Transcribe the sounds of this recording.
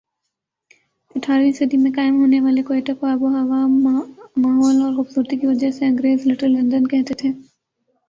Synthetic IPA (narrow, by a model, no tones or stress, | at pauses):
ɐʈʰːaːɾʋĩsɐd̪imẽkaːɪmɦoːneʋaːlekoːeːʈakoaːboɦɐʋaːmːaːɦɔːlɔːɾɣʊfsuːɾt̪ikiʋɐd͡ʒəɦseɐ̃ŋɡɾeːzlɪʈəɾlɐ̃nd̪ənkɛɦt̪et̪ʰeː